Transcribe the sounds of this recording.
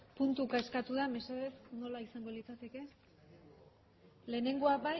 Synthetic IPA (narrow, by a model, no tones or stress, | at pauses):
punt̪ukaeskat̪uðame̞se̞ðe̞θno̞laisaŋɡo̞lit͡sat̪e̞ke̞ | le̞ːne̞ŋɡo̞abaj